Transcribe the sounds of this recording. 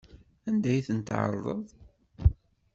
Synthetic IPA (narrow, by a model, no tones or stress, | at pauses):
ænd̪æjθənt̪ʕə̰ɾˤðˤə̰ðˤ